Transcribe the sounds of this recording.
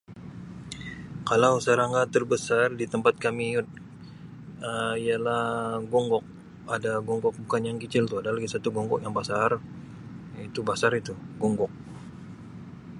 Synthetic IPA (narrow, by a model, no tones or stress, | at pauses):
kalawsaɾaŋɡat̪ərbəsardit̪əmpat̪̚kamiʊt̪̚ | əijalahɡɔŋɡɔk̚ | adaɡɔŋɡɔk̚bukanjaŋkət͡ʃɪlt̪uadalaɡisat̪uɡɔŋɡɔkjaŋbasar | it̪ubasaɾit̪uɡɔŋɡɔk̚